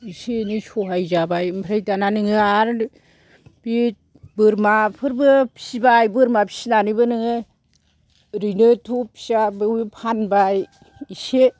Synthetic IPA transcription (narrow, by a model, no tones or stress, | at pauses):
isenisɔɦajzabajɯmpʰɾajtananɯŋɯaɾ | b̥it̚ | bɯɾmapʰɯɾbɯpʰi̥sibajbɯɾmapʰi̥sinanibɯnɯŋɯ | ɾinɯtʰupʰi̥sabɯwipʰanbaj | ise